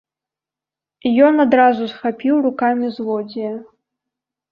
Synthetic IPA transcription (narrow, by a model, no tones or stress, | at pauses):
ijɔnad̪ɾazusxapʲiwrukamʲizlɔd͡zʲijɛ